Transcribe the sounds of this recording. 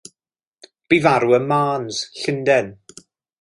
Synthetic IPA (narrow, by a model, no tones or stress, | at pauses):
b̥ivaɾuənmaːnz̥ɬɪndɛn